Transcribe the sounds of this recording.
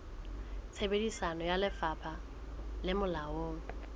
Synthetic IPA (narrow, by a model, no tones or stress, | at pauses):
t͡sʰebedisanɔjalɪfapʰa | lɪmʊlaoːŋ̩